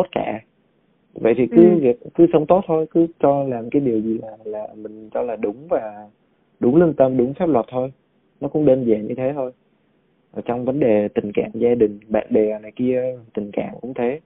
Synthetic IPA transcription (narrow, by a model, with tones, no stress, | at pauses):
t̪o˦˥t̚ka̰ː˧˨ | və̰˧˨jt̪ʰi˨˩kɨ˨˦ɣi˨˩k̚kɨ˨˦sə˨˦wŋ͡mt̪o˦˥t̚t̪ʰo˧jkɨ˨˦t͡ɕɔ˧laː˨˩mkaː˨˦jɗi˨˩əwzi˨˩laː˨˩laː˨˩mï˨˩ŋ̟t͡ɕɔ˧laː˨˩ɗʊ˨˦ŋ͡mvaː˨˩ | ɗʊ˨˦ŋ͡mli˧ŋt̪ə˧mɗʊ˨˦ŋ͡mfaː˦˥p̚lwə˨˩t̚t̪ʰo˧j | nɔ˨˦kʊ̰˧˥ŋ͡mɗe˧nzaː˨˩ɲɨ˧t̪ʰe˨˦t̪ʰo˧j | ʔəː˨˩t͡ɕɔ˧wŋ͡mvə˨˦nɗe˨˩t̪ï˨˩ŋ̟ka̰ː˧˨ŋzaː˧ɗï˨˩ŋ̟ɓa̰ː˧˨nɓe˨˩˨na˨˩jki˧ə˨˩t̪ï˨˩ŋ̟ka̰ː˧˨ŋkʊ̰˧˥ŋ͡mt̪ʰe˨˦